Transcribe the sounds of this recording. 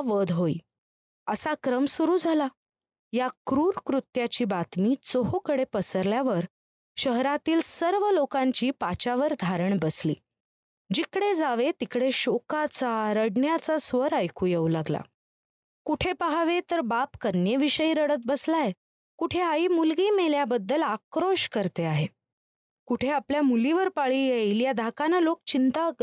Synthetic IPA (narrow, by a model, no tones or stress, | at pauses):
ʋəd̪ʱɦoiː | əsakɾəmsuɾuːd͡zʱala | jakɾuːɾkɾut̪jat͡ɕiːbat̪miːt͡soɦokəɽepəsəɾljaʋəɾ | ɕəɦɾat̪iːlsəɾʋəlokãɲt͡ɕiːpat͡ɕaʋəɾd̪ʱaɾəɳbəsliː | d͡ʑikɽed͡zaʋet̪ikɽeɕokat͡saɾəɽɳjat͡sasʋəɾəjkuːjeulaɡla̰ | kuʈʰepaɦaʋet̪əɾbapkənjeʋiɕəiɾəɽət̪̚bəslaje | kuʈʰeaiːmulɡiːmeljabəd̪ːəlakɾoɕkəɾt̪eaɦe | kuʈʰeapljamuliʋəɾpaɭiːjejljad̪ʱakanəlok̚t͡ɕint̪a